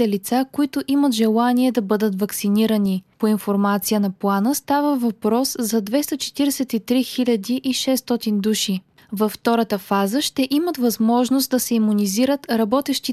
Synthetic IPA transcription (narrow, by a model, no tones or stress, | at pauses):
ɛlit̪sakoit̪ʊʔimət̪ʒɛlˠaniɛd̪ɐbɤd̪ət̪vəksiniɾənipoinfoɾmat̪sijənɐplˠanəst̪avəvɐpɾɔszɐd̪vɛst̪ɐt͡ʃɛ̥t̪iɾɛsɛt̪it̪ɾixilʲɐd̪iʔiʃɛst̪ɔt̪ind̪uʃi | vɐfːt̪ɔɾət̪əfazəʃt̪ɛʔimət̪vɐzmɔʒnost̪̚d̪ɐsɛimuniziɾət̪ɾɐbɔt̪ɛʃt̪i